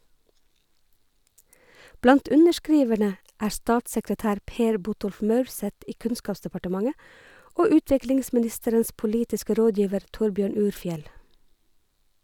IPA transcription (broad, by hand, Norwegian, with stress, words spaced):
ˈblɑnt ˈʉnəʃˌkɹiːʋəɳə ˈʔæːɹ ˈstɑːtsəkɾəˌtæːɾ ˈpeːɹ ˈbʊtɔlf ˈmœʉɹˌsɛt ˈiː ˈkʉnskɑːpsdəpɑʈəˌmɑŋə ˈʔoː ˈʉːˌtʋɪklɪŋsmɪˌnɪstəɾəns pʊˈliːtɪskə ˈɾoːˌdjiːʋəɾ ˈtʊɹˌbjøːɳ ˈʉːɾˌfjɛl